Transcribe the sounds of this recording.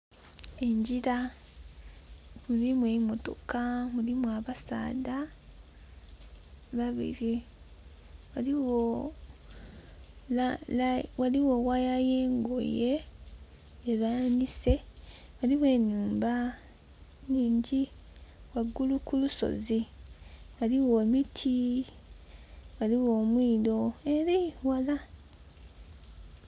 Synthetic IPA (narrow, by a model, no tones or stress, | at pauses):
eɲɟiɾa | mulimwemo̞to̞kamulimwaβasa̰ːda | βaβḭɾi | waliwo | lalawaliwo̞wajajeːŋɡo̰je̞ | eβanise̞ | waliβwe̞ːnuːmba | niːɲɟiwaɡulukuluso̞̰zi | waliwomitʰi | waliwoːmwiːlo̞eɾejwala